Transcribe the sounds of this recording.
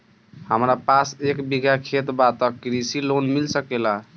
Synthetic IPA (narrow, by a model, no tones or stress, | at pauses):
həmɾapasekbiɡʱakʰet̪bat̪əkːɾisilonmilsəkela